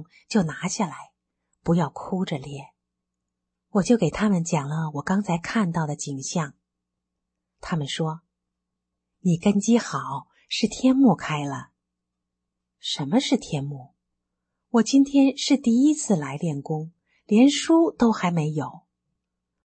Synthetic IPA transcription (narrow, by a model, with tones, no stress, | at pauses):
ŋ | t͡ɕjo˥˩ʊna˧˥ɕja˥˩la˧˥ɪ | pu˧˥jɑ˥˩ʊkʰu˥ʈ͡ʂə˨˩ljɛ˨˩n | wɔ˨˩t͡ɕjo˥˩ʊke˨˩ɪt̪ʰa˥mə˨nt͡ɕjɑ˨˩ŋlə˦wɔ˨˩kɑ˥ŋt͡sʰa˧˥ɪkʰa˥˧nt̪ɑ˥˩ʊd̪ə˩t͡ɕi˨˩ŋɕjɑ˥˩ŋ | t̪ʰa˥mə˨nʂwɔ˥ | ni˨˩kə˥nt͡ɕi˥xɑ˨˩˦ʊ | ʂɻ̩˥˩t̪ʰjɛ˥nmu˥˩kʰa˥ɪlə˩ | ʂə˧˥nmə˧ʂɻ̩˥˩t̪ʰjɛ˥nmu˥˩ | wɔ˨˩t͡ɕi˥nt̪ʰjɛ˥nʂɻ̩˥˧t̪i˥˩i˥t͡sʰɹ̩˥˩la˧˥ɪljɛ˥˩nkʊ˥ŋ | ljɛ˧˥nʂu˥t̪o˥ʊxa˧˥ɪme˧˥ɪjo˨˩˦ʊ